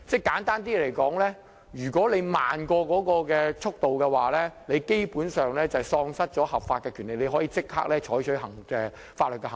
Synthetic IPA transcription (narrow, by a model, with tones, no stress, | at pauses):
t͡sɛː˥˩jkaː˨˥nt̪aː˥nt̪̬iː˥le˨˩jkɔː˨˥ŋlɛː˥ | jyː˨˩kɔː˨˥le˨˧jma̰ː˨nkɔː˧kɔː˨˥kɔː˧kɛː˧t͡sʰʊ˥k̚t̪o˨wkɛː˧waː˨˩lɛː˥le˨˧jke˥jpuː˨˥nsœː˨˩ŋlɛː˥t͡sɐ˨˩wsɔː˧ŋsɐ˥t̚t͡ʃt͡sɔː˨˥hɐ˨p̚faː˧t̚kɛː˧kʰy˨˩nle˨jle˨˧jɦɔ˨˥jiː˨˧t͡sɪ˥k̚ha̰ː˥k̚lɛː˥t͡ʃʰɔː˨˥jt͡ʃʰɵ˨˥ɥɦɐ˨˩ŋɛː˨ | faː˧t̚lɵ˨t̚kɛ˧hɐ˨˩